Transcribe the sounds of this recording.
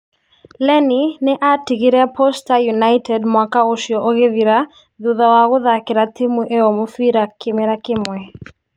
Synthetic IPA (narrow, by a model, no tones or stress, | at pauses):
lɛninɛʔatiɡiɾɛapʰɔstajunajtʰɛdmwakaoʃjɔʔoɣeðiɾa | ðuðawaɣʊðakɪɾat̪imuʔeɔmufiɾakɪmɛɾakɪmwɛ